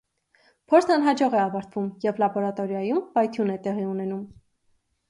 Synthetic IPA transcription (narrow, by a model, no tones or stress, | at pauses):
pʰɔɾt͡sʰɑnɦɑd͡ʒɔʁɛɑvɑɾt̪ʰv̥umjɛvlɑbɔɾɑt̪ɔɾjɑjumpɑjt̪ʰjunɛt̪ɛʁiunɛnum